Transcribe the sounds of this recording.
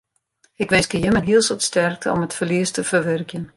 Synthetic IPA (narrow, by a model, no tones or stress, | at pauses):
ɪkʋɪnskəjəmənɦiəlˠsətstɛrk̚tʰəɔ̰mətfərliəstəfərʋɛrkjən